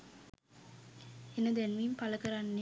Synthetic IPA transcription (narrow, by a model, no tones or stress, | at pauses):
enəd̪ænʋimpaləkəɾanːe